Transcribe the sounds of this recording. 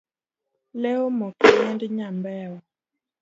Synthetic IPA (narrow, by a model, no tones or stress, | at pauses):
lɛomɔkiɲɛndɲambɛwɔ